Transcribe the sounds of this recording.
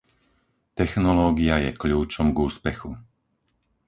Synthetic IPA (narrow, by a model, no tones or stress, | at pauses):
t̪ɛxnɔlɔːɡiajɛ̰kʎuːt͡ʃɔmɡuːspɛxu